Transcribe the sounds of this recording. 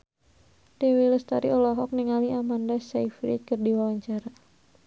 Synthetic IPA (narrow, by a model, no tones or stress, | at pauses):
dewiləst̪aɾiʔɔlɔɦɔk̚niŋaliamandasajfɾḭt͡ʃ̚kərdiwawaɲt͡ʃaɾa